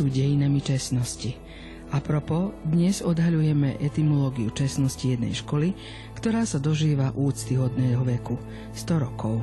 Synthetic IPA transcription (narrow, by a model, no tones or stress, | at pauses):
uːɟɛjinamit͡ʃɛsnɔsci | ʔapɾɔpɔd̪ɲɛzɔd̪ɦaʎujɛmɛʔɛt̪imɔlɔːɡiut͡ʃɛsnɔscijɛd̪nɛ̰jʃkɔli | kt̪ɔɾaːsad̪ɔʒiːʋaʔuːt͡st̪iɦɔd̪nɛːɦɔʋɛku | st̪ɔɾɔkɔʊ